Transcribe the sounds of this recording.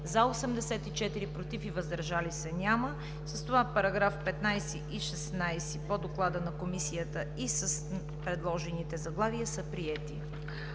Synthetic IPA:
zɐosɛmd̪ɛsɛt̪it͡ʃɛt̪iɾipɾot̪ifivəzd̪əɾʒalisɛnʲamə | səst̪ovapɐɾɐɡɾafpɛt̪najsiʔiʃɛsnajsipod̪oklˠad̪ənɐkomisijət̪əisəs | pɾɛd̪lˠɔʒɛnit̪ɛzɐɡlˠaviəsəpɾiɛt̪i

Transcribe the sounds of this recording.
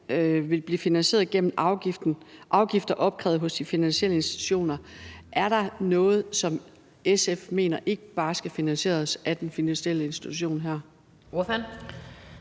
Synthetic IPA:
ʋe̝lb̥liːfinænɕe̝̰ːɐð̩ˠɡ̥en̰m̩ʔɑʊɡifd̥n̩ʔɑ̈ʊɡ̥ifd̥ɐʔɒ̽b̥̚ɡ̥ʰʁɛʊð̩ˠɦɔ̽sd̥ifinænɕiel̰əe̝nsd̥i̥t͡sʰu̥ɕo̝̰ːnɐʔæɐɾ̥ɑ̈nɔ̽ːð̞̩ˠsɒ̽m | esefme̝̰ːnɐʔe̝ɡ̥əb̥ɑ̈ːsɡ̥æfinænɕe̝̰ːɐsæd̥enfinænɕieləe̝nsd̥it͡sʰuɕo̝̰ːnɦæɐ̰ | ofæn

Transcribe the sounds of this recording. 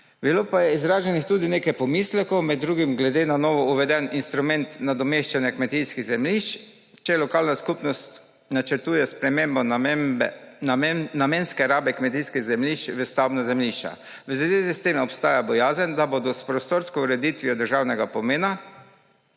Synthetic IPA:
biloːpajɛizɾaːʒɛnixt̪ud̪ineːkajpɔmislɛkɔwmɛd̪̚ːɾuːɡimɡlɛd̪enanɔːʋɔuʋɛd̪ɛninst̪ɾumɛnt̪nad̪ɔmeʃt͡ʃanjɛkmɛt̪ijskiɣzɛmliʃt͡ʃ | t͡ʃɛlɔkalnaskupnɔst̪ | nat͡ʃəɾt̪uːjɛspɾɛmembɔ | nameːnskɛɾaːbɛkmɛt̪̬ijskiɣzɛmliʃt͡ʃʋəst̪awbnazɛmliʃt͡ʃa̰ | ʋəzʋeːzist̪emɔpst̪aːjabɔjaːzənd̪abod̪ɔspɾɔst̪oɾskɔuɾɛd̪it̪ʋijɔd̪əɾʒawnɛɡapɔmeːna

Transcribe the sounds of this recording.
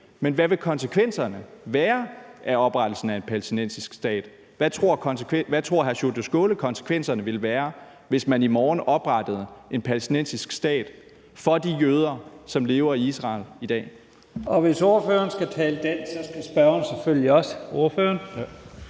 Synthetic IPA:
menʋæʋe̝kʰɒ̽nsəkʰʋen̰sɐnəʋæːɐʔæɒ̽b̥ʁɑ̈d̥l̩sn̩æe̝npʰælesd̥inen̰sisɡ̥sd̥ɛ̰ːd̥ | ʋæt͡sʰʁo̝ɐ̰kʰnskʰeʋæt͡sʰʁo̝ɐ̰ɦæɐɕod̥əsɡ̥oːləkʰɒ̽nsə̥kʰʋen̰sɐnəʋe̝lʋæːɐ | ʋe̝smænimɒːnɒ̽b̥ʁɑ̈d̥əð̩ˠʔe̝npʰælesd̥inensisɡ̥sd̥ɛ̰ːd̥ | fɒ̽d̥ijøːð̞ˠɐsɒ̽mle̝ːʊɐiisʁɑ̰̈ːlid̥ɛ̰ː | ɒ̽ʋe̝so̝ɐføːɐnsɡ̥æt͡sʰɛːləd̥ensɒ̽sɡ̥æsb̥ɶɐnseføl̰jiɒ̽səo̝ɐføːɐn

